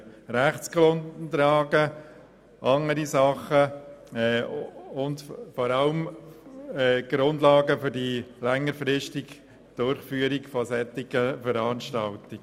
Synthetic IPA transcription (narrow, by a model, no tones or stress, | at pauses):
ɾæχt͡sɡ̥ɾʊndntɾɑːɡə | ʔɑŋəɾisɑχə | ʊndfɔɾɑlm | ɛːɡ̥ɾʊndlɑːɡəfʏɾdilɛŋːəɾfɾɪʃtɪɡ | d̥ʊɾχfyːəɾiɡfɔsɛt̪ːɪɡəfəɾɑːnʃtɑltɪɡ